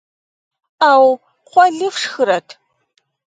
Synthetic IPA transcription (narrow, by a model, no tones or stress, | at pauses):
aːw | qʷɔɮɨfʂxɨɾɐtʰ